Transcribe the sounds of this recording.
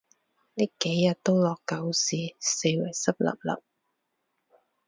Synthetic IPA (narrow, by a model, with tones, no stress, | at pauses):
ni˥kːe˨˥jːɐ˨t̚t̪o˥wlɔː˨kːɐ˨˧wsiː˨˩se˧jwɐ˨˩jsɐ˥p̚lɐ̰˨p̚lɐ̰˨p̚